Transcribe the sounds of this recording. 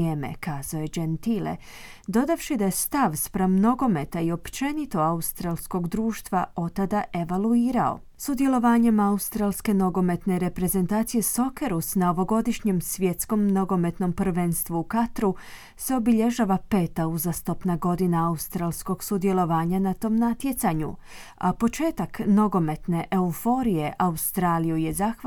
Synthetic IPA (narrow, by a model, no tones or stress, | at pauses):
eːme̞̰kaːz̥aojed͡ʒent̪ilḛ | d̪o̞d̪afʃid̪ajest̪aʋspɾamno̞ɡo̞me̞t̪aio̞pt͡ʃe̞nit̪o̞aust̪ɾalˠsko̞ɡd̪ɾuːʃt̪ʋao̞t̪ad̪aʔe̞ʋalˠuiːɾao̞̰ | sud̪ije̞lˠo̞ʋaːɲe̞maust̪ɾaːlˠske̞no̞ɡo̞me̞t̪ne̞ɾe̞pɾe̞ze̞nt̪aːt̪sije̞so̞keɾusnao̞ʋo̞ɡo̞d̪iʃɲe̞msʋje̞t̪sko̞mno̞ɡo̞me̞t̪no̞mpr̩ʋe̞nst̪ʋuukat̪ɾu | seo̞biʎe̞ʒaːʋape̞ːt̪auzast̪opnaɡo̞d̪inaaust̪ɾaːlˠsko̞ɡsud̪ije̞lo̞ʋaːɲanat̪o̞ːmnat̪je̞t̪saɲṵ | a̰po̞t͡ʃe̞ːt̪akno̞ɡo̞me̞t̪ne̞ʔeufo̞ɾije̞ʔaust̪ɾaːlijuje̞zaːx